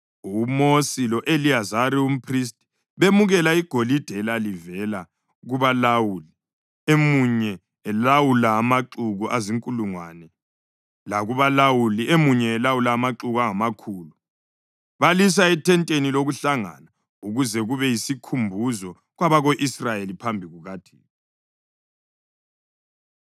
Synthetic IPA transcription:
umosilɔʔeliazaɾium̩pʰris̬tʼi̥ | βemuɣɛlaiɡ̥ʱolid̥ʱɛlalivɛla | ɣuβalawuli | emuɲɛː | lawulaːmaǁuɣuʔaziŋkʼuluŋwaːnɛ | laɣuβalawuliʔemuɲɛːlawulaːmaǁuɣuaŋamakʰuːlu | βalis̬aɛtʰɛntʼeniloɣuɬaŋa̰na | uɣuzɛɣuβɛjisikʰumbʱuzɔ | ɣwaβaɣoʔisrajelipʰambʱiɣuɣad̥ʱiːnɔ

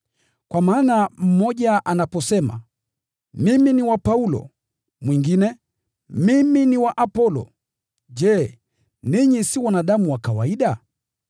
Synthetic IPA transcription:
kwamaːnam̩mɔʄaʔanapɔsɛma̰ | miminiwapaulɔ̰ | mwiŋɡinɛ | miminiwaʔapɔlɔ̰ | ʄɛː | niɲisiwanaɗamuwakawaiɗa

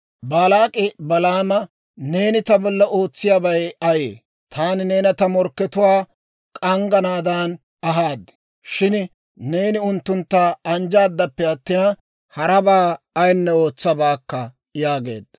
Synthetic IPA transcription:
baːlaːkʼɪbɐlaːmɐ | ne̞ːnɪt̪ɐbɔlːɐʔo̞ːt͡sːɪjaːbɐjɐjḛː | t̪ʰaːnɪne̞ːnɐt̪ɐmɔɾkːɛt̪ʊwaː | kʼɐŋɡɐnaːd̪aːn | ɐɦaːd̪ | ʃɪn | ne̞ːnɪʊnt̪ːʊnt̪ːaɐnd͡ʒaːd̪ːɐpːɛɐt̪ːɪnɐ | hɐɾɐbaː | jnːɛo̞ːt͡sːɐbaːkːɐ | jaːɡe̞̰ːd̪̚

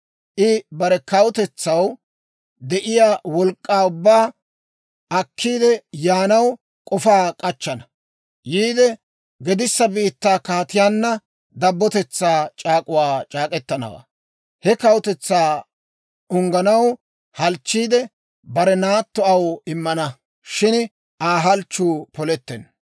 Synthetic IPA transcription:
ʔɪbɐɾɛkɐwʊt̪ɛt͡sːɐw | d̪ɛʔɪjaːwɔlkʼːaːʊbːaː | ɐkʰːiːd̪ɛjaːnɐw | kʼɔfaːkʼɐt͡ʃːɐnɐ | jiːd̪ɛ | ɡɛd̪ɪsːɐbiːt̪ːaːkaːt̪ɪjaːnːɐ | d̪ɐbːɔt̪ɛt͡sːaːt͡ʃʼaːkʼʊwaːt͡ʃʼaːkʼɛt̪ːɐnɐ̰wa̰ː | hɛkɐwʊt̪ɛt͡sːaː | ʊŋɡɐnɐw | hɐlt͡ʃːiːd̪ɛ | bɐɾɛnaːt̪ːɔɐwɪmːɐnɐ | ʃɪn | ʔaːɦɐlt͡ʃːuːpɔlɛt̪ːɛn

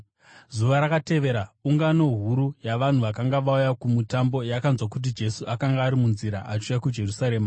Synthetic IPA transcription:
zuʋaɾakate̞ʋe̞ɾauŋɡano̞ɦuɾujaʋan̤uʋakaŋɡaʋaujakumutambo̞jakanzwakut̬id͡ʒe̞suʔakaŋɡaːɾimunziɾa̰ʔat͡ʃujakud͡ʒe̞rusaɾe̞ːma

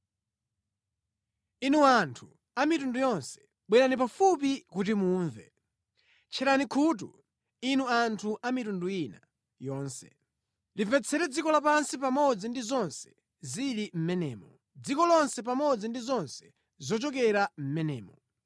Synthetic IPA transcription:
inuantʰu | amitundujɔnsɛ̥ | ɓwinanipafup̬ikut̬imuːɱvɛ̰ | t͡ʃʰɛɾanikʰuːt̬ṵ | inuantʰuʔamitundujina | jɔːnsɛ | livɛt͡sʰɛɾɛd͡zikɔlapansipamɔd͡zindizɔnsɛ̥ | zilim̩mɛnɛ̰ːmɔ | d͡zikɔlɔnsɛp̬amɔd͡zindizɔnsɛ̥ | zɔt͡ʃɔkɛɾam̩mɛnɛːmɔ

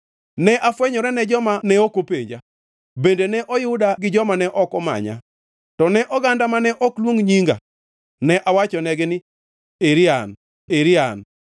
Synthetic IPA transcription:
nɛʔafwɛɲɔɾɛnɛd͡ʒɔmanɛokopeɲd͡ʒa | bendenɛʔɔjʊdaɡɪd͡ʒɔmanɛʔɔkɔma̰ɲa̰ | tɔnɛʔɔɡandamanɛʔɔklwoŋɲiŋɡa̰ | nɛʔawat͡ʃɔnɛɡɪnɪ | eɾian | eɾɪan

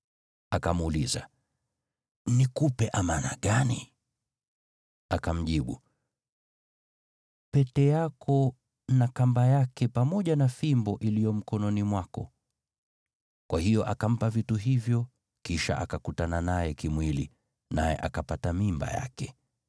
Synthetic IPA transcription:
akamuliza̰ | nikupɛʔamana̰ɠani | akam̩ʄiɓṵ | pɛtɛjakʰɔ | nakambajakɛpamɔʄanafimbɔʔilijɔm̩kɔnɔnimwakɔ̰ | kwʔahijɔʔakam̩pavituɦivjɔ | kiʃa̰ʔakakutananajɛkimwilḭ | najɛ̰ʔakapatamimba̰ja̰kɛ

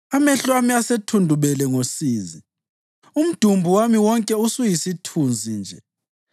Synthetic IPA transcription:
amɛɬwamiasetʰundʱuβɛlɛŋosiːzi | um̩d̥ʱumbʱuwamiwɔŋkʼɛusujisitʰund͡zʱind͡ʒʱɛ

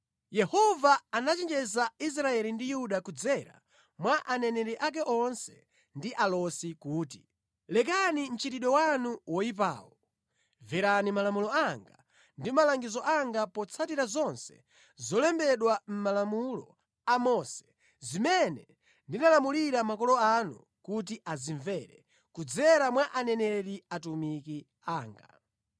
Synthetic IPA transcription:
jɛhɔvaanat͡ʃɛnd͡ʒɛzais̬ɾaɛlindijuɗakud͡zɛɾa̰ | mwaʔanɛnɛɾɛʔak̬ɛʔɔnsɛ̥ | ndiʔalɔsikuːti | lɛk̬anin̩t͡ʃitiɗɔwanuwɔip̬a̰ːwɔ | vɛɾanimalamulɔaŋɡa | ndimalaŋɡizɔʔaŋɡapɔt͡sʰatiɾazɔnsɛ̥ | zɔlɛmbɛɗwam̩malamulɔ | amɔsɛ̥ | zimɛnɛ | ndinalamuliɾamakɔlɔanṵ | kut̬iʔaziɱvɛɾɛ | kud͡zɛɾamwaʔanɛnɛɾiatumiki | aːŋɡa̰

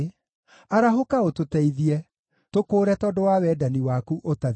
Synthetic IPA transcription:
aɾaɦokaototɛiðiɛ | tokoːɾɛtɔːdowawɛdaniwakuʔota

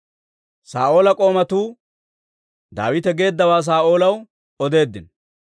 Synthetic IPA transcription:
saːʔo̞ːlɐkʼo̞ːmɐt̪uː | d̪a̰ːwɪt̪ɛɡe̞ːd̪ːɐwaːs̬aːʔo̞ːlɐw | ɔd̪e̞ːd̪ːɪn

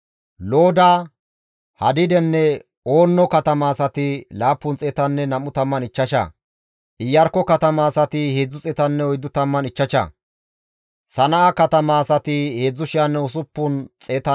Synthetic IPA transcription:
lo̞ːd̪a | hɐd̪ɪd̪ɛnːɛ | o̞ːnːɔkɐt̪ɐmaːsɐt̪ɪlaːpːʊnt͡sʼeːt̪ɐnːɛnɐmːʊt̪ɐmːɐnɪt͡ʃːɐʃɐ̰ | ʔɪjːɐɾkːɔkɐt̪ɐmaːsɐt̪ɪhe̞ːd͡zːʊt͡sʼɛt̪ɐnːɛɔjd̪ʊt̪ɐmːɐnɪt͡ʃːɐʃɐ̰ | sɐnɐʔakɐt̪ɐmaːsɐt̪ɪhe̞ːd͡zːʊʃɪjɐnːɛʊsʊpːʊnt͡sʼeːt̪ɐ

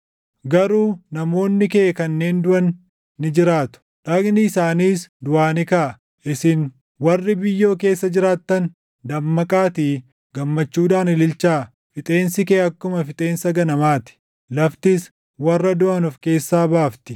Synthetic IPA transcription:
ɡɐɾuːnɐmo̞ːnːɪkɛʔːkɐnːe̞ːnd̪ʊʔɐnː | ɪd͡ʒɪɾaːt̪ʊ̥ᶑɐɡnɪɪsaːniːsd̪ʊʔaːnɪkɐ | ʔɪsɪn | wɐrːɪbɪjːo̞ːk̬e̞ːsːɐd͡ʒɪɾaːt̪ːɐn | d̪ɐmːɐkʼaːt̪iː | ɡ̥ɐmːɐt͡ʃːuːᶑaːnɪlɪlt͡ʃːaː | fɪt̪ʼe̞ːnsɪkeːɐkːʊmɐfɪt̪ʼe̞ːnsɐɡɐnɐmaːt̪ɪ̥ | lɐft̪ɪs | wɐrːɐd̪ʊʔɐnʊfke̞ːsːaːbaːft̪ɪ

